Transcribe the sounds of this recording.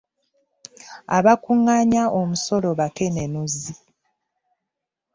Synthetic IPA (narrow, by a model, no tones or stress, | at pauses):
aβakuŋːaɲaʔomuso̞lo̞βake̞ne̞nuzi